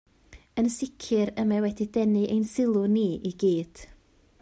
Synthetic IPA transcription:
ənsɪkʰɨɾəmawɛdidɛnɨʔḛjnsɪlˠʊniːʔiɡiːd̥

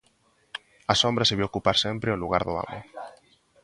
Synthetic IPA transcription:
ɐsombɾɐseβiokupaɾsempɾeoluɣ̞aɾðʊa̰mʊ̰

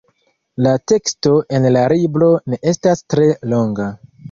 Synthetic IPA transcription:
late̞ksto̞ʔe̞nlaɾiblo̞ne̞ʔe̞stastɾe̞lo̞ŋɡa

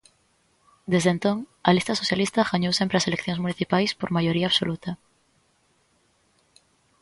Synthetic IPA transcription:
d̪ezðent̪oŋalist̪aso̞θjalist̪axaɲowsjempɾeaselekθjosmũniθipajspoɾmaʝo̞ɾiaːβso̰lut̪a

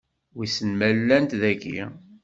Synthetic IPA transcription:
wisənmælːænt̪ðækḭ

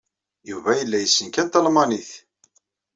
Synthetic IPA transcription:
juvæjəlːæjəsːənkæt̪ːəlmɑniθ

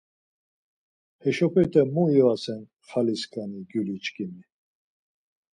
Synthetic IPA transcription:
hɛʃɔpʰɛɾt̪ʰʼɛmujɔasɛn | χaliskʰʼaniɡjulit͡ʃkʰʼimi

